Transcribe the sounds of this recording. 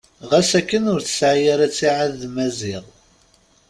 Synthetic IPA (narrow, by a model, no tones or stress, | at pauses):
ʁæsækːənʊɾθə̥sʕjaɾæt͡sːiʕaðːmæziʁˤ